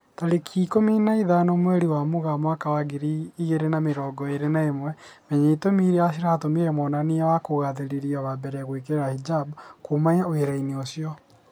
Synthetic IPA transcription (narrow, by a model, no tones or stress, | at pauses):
taɾekʰikominaiðanɔmwɛɾiwamoɣamwakawaɡiɾiːɣeɾenameɾɔːɡɔeɾenaemwɛmɛɲeitomiɾeas̬iɾaːtomiɾɛmɔnaneawakoɣaðeɾeɾiaβabɛɾɛɣoikeɾeɾahid͡ʒabkʰomaɲaoeɾaineosiɔ